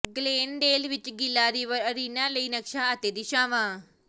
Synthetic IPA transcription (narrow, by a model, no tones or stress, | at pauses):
ɡleːnɖeːlʋɪt͡ʃɡɪlaːɾiːʋəəɾiːnãːləiːnəkʃaːət̪eːd̪iːʃãːʋãː